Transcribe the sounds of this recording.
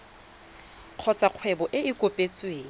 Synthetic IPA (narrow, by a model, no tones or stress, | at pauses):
q͡χʰɔt͡sʼaq͡χʰwɛbɔʔɪɪkʼopʼet͡sʼweːŋ̩